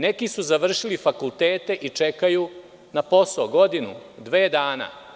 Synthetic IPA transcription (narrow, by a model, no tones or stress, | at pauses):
ne̞kisuzaʋr̩ʃilifakulˠt̪eːt̪e̞ʔit͡ʂe̞kaju | napo̞soɡo̞d̪inṵd̪ʋeːd̪aːna̰